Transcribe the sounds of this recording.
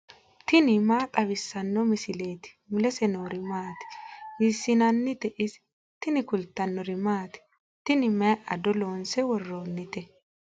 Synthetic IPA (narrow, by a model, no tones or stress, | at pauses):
t̪ɪnɪmaːkʼɐβɪsːɐnːɔmɪsɪle̞ːt̪ɪ̥mʊlɛsɛnoːɾɪmaːt̪ɪ̥misːɪnɐnːɪt̪ɛʔɪs | t̪ɪnɪkʊlt̪ːɐnːɔɾɪmaːt̪ɪ̥ | t̪ɪnɪmɛjʔɐd̪ɔloːnsɛwɔrːoːnːɪt̪ɛ